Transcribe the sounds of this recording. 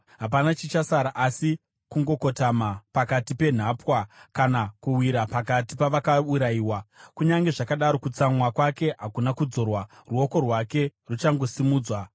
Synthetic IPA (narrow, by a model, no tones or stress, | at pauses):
ɦapanat͡ʃit͡ʃasaɾaʔasi | kuŋɡo̞ko̞tamapakatipe̞n̤apwakanakuwiɾapakatipaʋakauɾaiːwakuɲaŋɡe̞ʐakaɗaɾo̞kut͡samwakwake̞ɦakunakud͡zo̞rwaruo̞ko̞rwake̞rut͡ʃaŋɡo̞simuːd͡zwa